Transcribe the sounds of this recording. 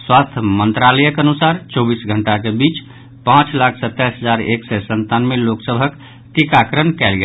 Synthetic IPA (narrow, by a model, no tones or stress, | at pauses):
swast̪ʰmənt̪ɾaləjəkeənusaɾt͡ʃɔbisɡʱəɳʈakebit͡ʃ | pãt͡ʃlakʰsət̪ːɛjsɦəd͡ʒaɾeksɛsənt̪anmeloksəbʱək | ʈikakɾənkɛlɡe